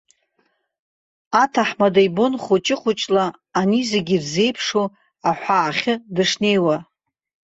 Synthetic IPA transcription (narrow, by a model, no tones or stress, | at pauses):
atʰaħmadajbonχut͡ʃʼɪqʷʰʊt͡ʃʼlaː | nizeɡʲirze̞jpʰʂo | aħʷaːχʲɨdɨʂne̞jwa